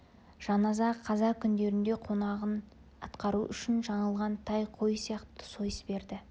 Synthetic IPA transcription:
ʒ̥ɑnɑzɑqʰɑzɑkʲʰʏnd̪e̞ɾɪnd̪e̞qʰo̞nɑʁən | ɑt̪qɑɾuʔʏʃɪnʒɑɴəlˠʁɑnt̪ʰɑjqʰo̞jsijɑqt̪ə̥so̞jəsbe̞ɾd̪ɪ

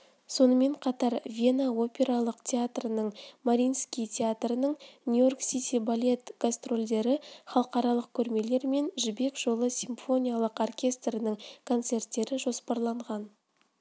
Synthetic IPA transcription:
so̞nəme̞ɴqʰɑt̪ɑɾvʲe̞nao̞pʲe̞ɾɑlˠəqt̪ʲʰeat̪rənəɴmaɾʲijnskʲijt̪ʲʰeat̪rənəɴnʲujo̞rksʲit̪ʲibalʲe̞t̪ɡ̥ast̪ro̞lʲd̪e̞ɾɪχɑlˠəqɑɾɑlˠəq̚kʲʰɵɾme̞le̞ɾme̞nʒʏbe̞kʒ̥o̞lˠəsʲimfo̞nʲijalˠəqorkʲʰe̞st̪rənəɴkʰo̞nt̪se̞rt̪ːe̞ɾɪʒo̞spɑɾlˠɑɴʁɑn

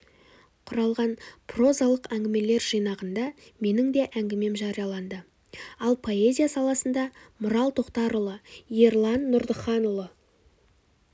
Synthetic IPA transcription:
qʰʊɾɑlˠʁɑnpʰro̞zɑlˠəqæŋɡʲɪme̞le̞ɾʒijnɑʁənd̪ɑme̞nɪŋd̪e̞ʔæŋɡʲɪme̞mʒɑɾijɑlˠɑnd̪ə | ɑlˠpʰo̞e̞zʲijasɑlˠɑsənd̪ɑmʊɾɑlˠt̪ʰo̞qt̪ɑɾʊlˠəje̞rlˠɑnːʊɾd̪əχɑnʊlˠə

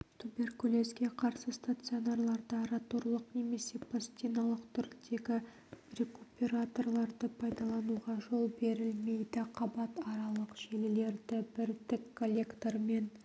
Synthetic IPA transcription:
t̪ʰube̞rkulʲe̞skʲe̞qʰɑɾsəst̪at̪sɨonarlˠɑɾd̪əɾɑt̪oɾlˠəqne̞me̞se̞pasʲt̪ʲinɑlˠəqt̪ʰʏɾd̪e̞ɡʲɪ | rʲekupʲeɾat̪o̞rlˠɑɾd̪əpʰɑjd̪ɑlˠɑnuʁɑʒo̞lˠbe̞ɾɪlme̞jd̪ɪqʰɑbɑt̪ɑɾɑlˠəqʒelɪle̞ɾd̪ɪbɪɾd̪ɪkʰːo̞lʲːe̞kt̪oɾme̞n

